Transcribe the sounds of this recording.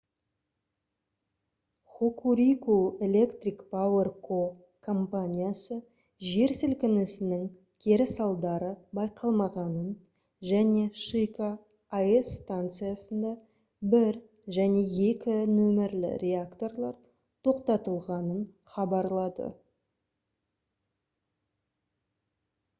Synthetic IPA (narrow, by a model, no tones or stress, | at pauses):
χukuɾʲikue̞lʲe̞kt̪ɾʲikpʰawe̞rkʰo | kʰo̞mpanʲijasə | ʒe̞ɾsɪlkʲɪnɪsɪnɪŋ | kʲʰe̞ɾɪsɑlˠd̪ɑɾəbɑjqɑlˠmɑʁɑnən | ʒæne̞ʃijka | aesːt̪ant̪sɨjasənd̪ɑ | bɪɾ | ʒæne̞je̞kʲɪnɵmɪɾlɪ̰ɾʲe̞akt̪o̞rlˠɑɾ | t̪ʰo̞qt̪ɑt̪əlˠʁɑnən | χɑbɑɾlˠɑd̪ə̰